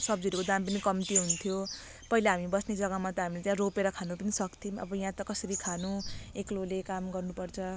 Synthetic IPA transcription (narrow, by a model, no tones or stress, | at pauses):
sʌb̚d͡ziʌɾukod̪ampʌnikʌmt̪iɦunt̪ʰjo | pʌɦilaɦamibʌsned͡zʌɡʌmat̪ʌɦamilet̪jãropeɾʌkʰanupʌnisʌkt̪ʰimʌ̰bʌj̃ɦãt̪ʌkʌsʌɾikʰanueklolekamɡʌrnupʌrt͡sʰʌ